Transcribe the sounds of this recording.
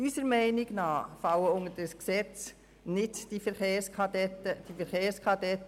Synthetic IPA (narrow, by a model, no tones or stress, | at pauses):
ysəɾmɛɪnɪɡ̥nɑːfɑwəʊŋədəsksɛt͡s | nɪdd̥ifɛɾχeːskʰɑdɛtəd̥ifəɾχeːɾskʰɑdɛt̪ː